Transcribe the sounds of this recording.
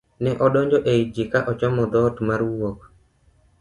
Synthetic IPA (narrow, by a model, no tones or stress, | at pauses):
nɛʔɔɗɔɲd͡ʒɔʔeid͡ʒikaʔɔt͡ʃɔmɔd̪ɔtmaɾwok